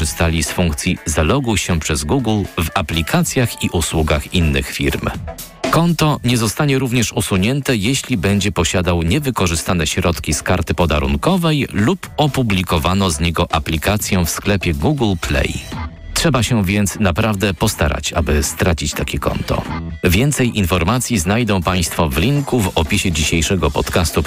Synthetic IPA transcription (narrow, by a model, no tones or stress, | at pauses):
ɘst̪alʲisfuŋkt̪sʲjizalɔɡuɕɛpʂɛzɡuɡlvaplʲikʰat̪sʲjaxiʔuswuɡaxinːɘ̰xfʲiɾm | kɔnt̪ɔɲɛzɔst̪aɲɛɾuvɲɛʂusuɲɛnt̪ɛjeɕlʲibɛɲd͡ʑɛpɔɕad̪awɲɛvɘkɔʐɘst̪anɛɕɾɔt̪kʲiskaɾt̪ɘpɔd̪a̰ɾṵnkɔvɛjlupɔpublʲikɔvanɔzɲɛɡɔʔaplʲikat̪sʲjɔ̃fsklɛpʲjɛɡuɡlplɛ̰j | tʂɛbaɕɛvʲjɛnt̪snapɾavd̪ɛpɔst̪a̰ɾa̰t͡ɕa̰bɘst̪ɾat͡ɕit͡ɕt̪akʲɛkɔ̰nt̪ɔ̰vʲjɛnt̪sɛjʔinfɔɾmat̪sʲjiznajd̪ɔ̃w̃paj̃st̪fɔvlʲiŋkuvɔpʲiɕɛd͡ʑiɕejʂɛɡɔpɔt̪kast̪u